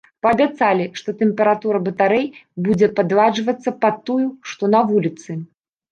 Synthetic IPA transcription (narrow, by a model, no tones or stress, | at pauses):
pɐːbʲat̪salʲiʂt̪ɔt̪ɛmpʲɛɾat̪uɾɐbɐt̪aɾɛjbud͡zʲɛpad̪lˠad͡ʐvɐt̪sːɐpɐt̪ːujuʂt̪ɔnɐvulʲit̪sɨ